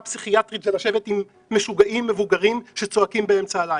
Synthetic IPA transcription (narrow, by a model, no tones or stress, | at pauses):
psiχiat̪ʁitʃelaʃevetimː | eʃuɡaʔimːe̞vuɡaʁimʃe̞t͡so̞akimbee̞mt͡saːlaj